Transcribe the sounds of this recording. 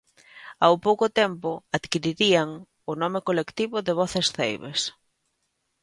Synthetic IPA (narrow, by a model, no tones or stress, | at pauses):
awpowkʊt̪ɛmpʊaðkiɾiɾiaŋ | ʊnɔmɪkolekt̪iβʊðɪβ̞ɔθesθḛjβḛs